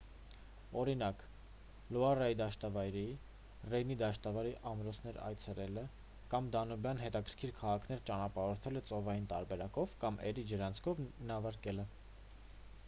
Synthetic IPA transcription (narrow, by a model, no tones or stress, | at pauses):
ɔɾinɑk | lɔɑrɑjid̪ɑʃt̪ɑvɑjɾi | rɛjnid̪ɑʃt̪ɑvɑɾiʔɑmɾɔsʰnɛɾɑ̰jt͡sʰɛlɛlə | kɑmd̪ɑnɔbjɑnɦɛt̪ɑkʰəɾ̥kʰiɾkʰɑʁɑkʰn̪ɛɾt͡ʃɑnɑpɑɾɔɾt̪ʰɛlət͡sɔvɑjint̪ɑɾbɛɾɑkɔvkɑmʔɛɾid͡ʒəɾɑnt͡sʰkʰɔvnɑvɑɾkɛlə